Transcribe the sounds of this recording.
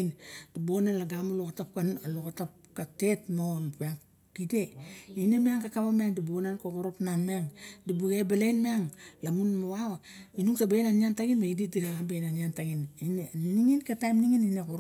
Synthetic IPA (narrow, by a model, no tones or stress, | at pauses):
nd̥ibonanlaɡamalokatap̚kanalokatap̚ | katetmonpaŋ | kideinemeaŋkakaβameaŋdibonankokoɾopnanmaŋdibuɡebalejnmeaŋlamunmoawinuŋsabenaniantaɡinbaididiɾaabejnaniantaɡinineniniŋinkatajmniŋininekoɾ